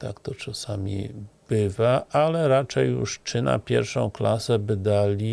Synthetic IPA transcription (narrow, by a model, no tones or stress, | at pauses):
t̪akt̪ɔt͡ʂasamʲḭb̥ɘvaʔalɛɾat͡ʂɛjːjṵʂt͡ʂɘna̰pʲjɛ̰ɾfʂɔ̃w̃klasɛbɘd̪alʲi